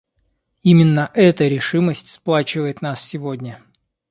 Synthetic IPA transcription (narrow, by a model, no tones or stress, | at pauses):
imʲɪnːəʔɛt̪əɾʲɪʂɨməsʲtʲsplˠat͡ɕɪvəjɪt̪nassʲɪvodʲnʲə